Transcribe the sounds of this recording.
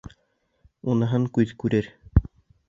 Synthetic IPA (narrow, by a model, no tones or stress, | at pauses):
unɤ̆ɦɤŋkʉðkʉɾɘɾ